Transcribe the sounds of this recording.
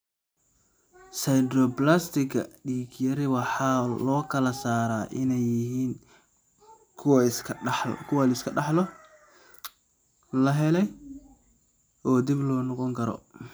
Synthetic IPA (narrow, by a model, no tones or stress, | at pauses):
sɐjd̪rɔplast̪ʰɪkʰɐɖiːkʰjɐɾɪwɑħɑːlɔːkʰɐlɐsaːɾaːʔɪnɛjːɪɦiːn | kʰ | kʰʊwalɪskʰɐɖɑħlɔ | lɐɦɛlɛj | ʔɔːd̪ɪblɔːnɔqɔŋkʰɐɾɔ̰